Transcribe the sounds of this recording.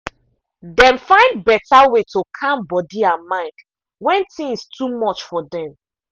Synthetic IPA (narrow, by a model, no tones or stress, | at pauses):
dɛ̃nfãɪ̃nd̚bɛtawetokʰãmbɔdiãnmaɪk | wɛ̃ntĩŋstʰumɔt͡ʃfɔdɛ̃m